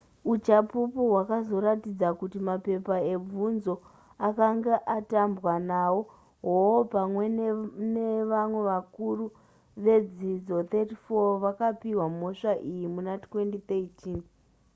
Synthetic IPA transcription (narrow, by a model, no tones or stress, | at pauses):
ut͡ʃapupuɦwakazo̞ɾatid͡zakutimape̞pae̞b͡vunzo̞ | akaŋɡeʔatambwanawo̞ | ɦopamwe̞nneʋamwe̞ʋakuru | ʋe̞d͡zid͡zo̞t̪etifoʋakapiwamo̞ʂaʔijimunatwe̞ndit̪eitʰiːn